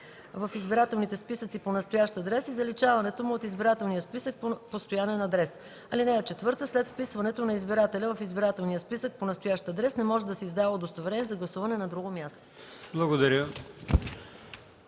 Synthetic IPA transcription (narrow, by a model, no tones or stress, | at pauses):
vɐfizbiɾat̪ɛlˠnit̪ɛspisət̪siponɐst̪ojaʃt̪ɐd̪ɾɛsizɐlit͡ʃavɐnɛt̪omʊot̪izbiɾat̪ɛlˠnijəspisək̚ppost̪ojaniɛnɐd̪ɾɛs | ɐlinɛot͡ʃɛt̪vɤɾt̪əslɛt̪fpisvɐnɛt̪onɐizbiɾat̪ɛlʲəvɐfizbiɾat̪ɛlˠnijəspisək̚ponɐst̪ojaʃt̪ɐd̪ɾɛsnɛmɔʒɛd̪ɐsɛizd̪alˠəd̪ost̪ovɾɛnʲɛzɐɡlˠɐsuvɐnɛnɐd̪ɾuɡomʲjast̪o̥ | blˠɐɡod̪ɐɾʲə